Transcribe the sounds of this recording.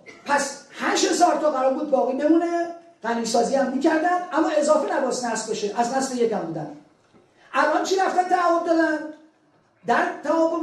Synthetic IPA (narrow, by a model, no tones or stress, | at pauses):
pʰæshænʃhe̞zɒːɾt̪ʰɒːɣæɾɒːɾbuːd̪̚bɒːɣiːbemuːne | ɢ̥æniːsɒːziːæmːiːcʰæɾd̪ænd̪ʔæmːɒːe̞zɒːfenæbɒsnæsbɒʃeʔæznæslejek̪æmund̪æn | ʔælʔɒnt͡ʃʰiɾæft̪ænt̪ʰævomd̪ɒːd̪æn | d̪æɾt̪ʰævɒːmo